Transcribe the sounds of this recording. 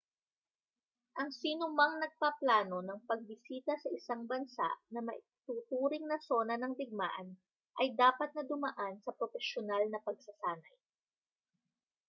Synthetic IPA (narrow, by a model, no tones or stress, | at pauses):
ʔɐŋsinʊmɐŋnɐɡ̚paplaːno̞nɐŋpɐɡ̚bɪsiːt̪ɐsɐʔɪsaŋbɐnsa̰ʔnɐmɐ̰ʔ | t̪uːt̪uːɾɪŋnɐso̞nɐnɐŋlɪɡ̚ma̰ːʔɐn | ʔɐjd̪aːpɐt̪̚nɐd̪ʊmɐʔansɐpɾofɛʃjonalnɐpɐɡ̚sɐsaːnɐj